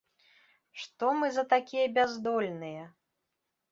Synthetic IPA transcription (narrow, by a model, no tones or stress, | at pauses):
ʂt̪ɔmɨzɐt̪akʲijɐbʲazd̪ɔlʲnɨjɛ